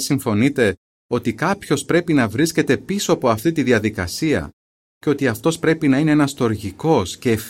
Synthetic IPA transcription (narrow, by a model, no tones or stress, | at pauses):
siɱfo̞nit̪e̞ | o̞t̪ikɐpço̞spɾe̞pinɐvɾisce̞t̪e̞piso̞ɐpo̞ɐft̪it̪iðiɐðikɐ̰siɐ̰ | ceo̞t̪iɐft̪o̞spɾe̞pinɐine̞enɐst̪o̞ɾʝiko̞sce̞ːf